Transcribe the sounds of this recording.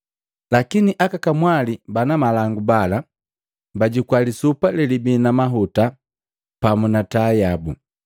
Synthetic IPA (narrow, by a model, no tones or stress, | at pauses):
lakiniʔakakamwalibanamalaŋɡubala | baɟikwalisupalɛlibinamaɦuta | pamunatajabu